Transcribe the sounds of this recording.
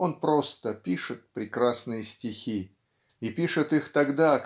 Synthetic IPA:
o̞npɾo̞st̪əpʲiʂɨt̪̚pɾʲɪkɾasnɨjəsʲtʲɪxʲi | ipʲiʂɨt̪ixt̪ɐɡd̪aɐk

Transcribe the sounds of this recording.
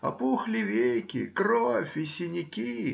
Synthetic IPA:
ɐ̰puxlʲɪvʲejkʲɪ̰kɾofʲɪsʲɪnʲɪkʲi

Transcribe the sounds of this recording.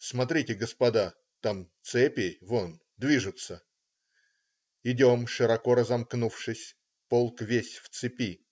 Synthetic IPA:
smɐt̪ɾʲitʲɪɡəspɐd̪a | t̪amt̪sɛpʲɪvon | d̪vʲiʐɨt̪sə | ɪdʲomʂɨɾɐko̞ɾəzɐmknufʂɨsʲ | polˠkvʲesʲft̪sɨpʲi

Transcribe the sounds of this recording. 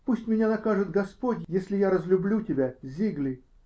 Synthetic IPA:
pusʲtʲmʲɪnʲanɐkaʐɨt̪ɡɐspotʲjesʲlʲɪjaɾəzlʲʊblʲutʲɪbʲazʲiɡlʲɪj

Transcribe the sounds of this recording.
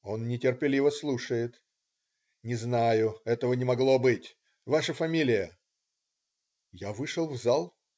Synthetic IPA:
o̞nːʲɪtʲɪrpʲɪlʲivəslˠuʂəjɪt̪ | nʲɪznajʊɛt̪əvənʲɪmɐɡlˠo̞bɨtʲ | vaʂəfɐmʲilʲɪjə | javɨʂəlˠvzalˠ

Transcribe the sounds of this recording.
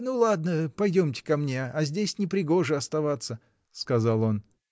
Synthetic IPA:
nulˠad̪̚nəpɐjdʲomtʲɪ̥kɐmnʲeɐzʲdʲesʲnʲɪpɾʲɪɡo̞ʐɨɐst̪ɐvat̪sə | skɐzalˠo̞n

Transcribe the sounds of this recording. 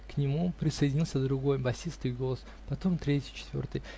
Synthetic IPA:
knʲɪmupɾʲɪsəjɪdʲɪnʲilˠsʲəd̪ɾʊɡo̞jbɐsʲist̪ɨjɡo̞lˠəs | pɐt̪o̞mt̪ɾʲetʲɪjt͡ɕɪ̥t̪vʲo̰rt̪ɨj

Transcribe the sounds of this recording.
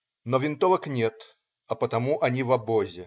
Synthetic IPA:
nɔvʲɪnt̪ɔvəknʲet̪ | ɐpət̪ɐmuʔɐnʲivɐbɔzʲɪ

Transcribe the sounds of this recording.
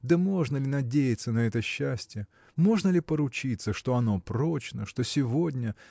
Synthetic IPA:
d̪əmo̞ʐnəlʲɪnɐdʲejɪt̪sənɐɛt̪əɕːæsʲtʲɪjə | mo̞ʐnəlʲɪpəɾʊt͡ɕit̪sːəʂt̪o̞ɐno̞pɾo̞t͡ɕnəʂt̪o̞sʲɪvo̞dʲnʲə

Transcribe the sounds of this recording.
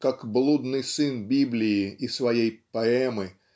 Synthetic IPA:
kakblˠud̪nɨjsɨnbʲiblʲɪɪisvɐjejpɐɛmɨ

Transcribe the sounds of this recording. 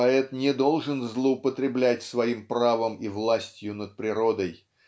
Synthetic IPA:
ɐɛt̪nʲɪd̪o̞lˠʐɨnzlˠəʊpət̪ɾʲɪblʲætʲsvɐimpravəmivlˠasʲtʲjʊnət̪̚pɾʲɪɾod̪əj

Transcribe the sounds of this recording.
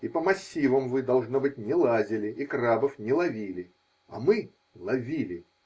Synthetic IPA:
ipəmɐsʲːivəmvɨd̪ɐlˠʐnobɨt̚ʲnʲɪlˠazʲɪlʲɪikrabəfnʲɪlˠɐvʲilʲɪ | ɐ̰mɨ | lˠɐvʲilʲɪ

